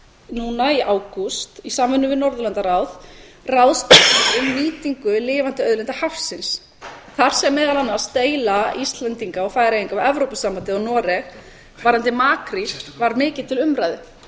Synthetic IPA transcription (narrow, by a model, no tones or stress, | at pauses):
nuːnaiʔaːwkust̪isaːmvʏnːʏvɪðnɔɾðʏlant̪aɾawð | rawðst̪aiʏmːiːt̪iŋkʏlɪːvant̪ɪœðlɛnt̪ahafsɪns | θaɾ̥sɛmːɛːðalanːḁst̪eːjlaist̪lɛnt̪iŋkaɔfaːjɾaiŋkaɛvɾowpʏsampant̪ɪɔnɔːɾɛx | vaɾant̪ɪmaːkɾivaɾmɪːcɪð̥t̪ʰɪlʏmɾajðɪ